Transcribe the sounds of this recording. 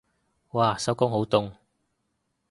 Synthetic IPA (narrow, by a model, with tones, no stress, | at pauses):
waː˧sɐ˨˥wkʊ˥ŋɦo˨˥wt̪ʊ˧ŋ